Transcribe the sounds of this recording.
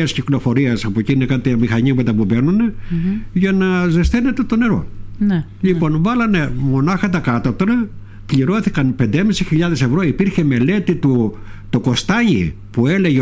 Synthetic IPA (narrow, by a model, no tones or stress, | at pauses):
ɐsciklo̞fo̞ɾiɐsɐpocinekɐt̪emixɐɲiɐpe̞t̪ɐpube̞nuneʝɐnɐzest̪ene̞t̪e̞t̪o̞ne̞ɾo̞̰n | ʎipo̞nvɐlɐne̞mo̞nɐxɐt̪ɐkɐt̪ot̪ɾɐ | kʎiɾo̞θikɐnpe̞nd̪emisiçiʎɐðe̞se̞vɾo̞ipiɾçe̞me̞le̞t̪it̪u | t̪oko̞st̪ɐɲḭpue̞le̞ʝe